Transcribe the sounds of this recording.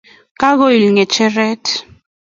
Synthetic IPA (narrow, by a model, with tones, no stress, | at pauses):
ka˦ɣo˦i˨lŋɛ˨t͡ʃɛ˦ɾɛ˦t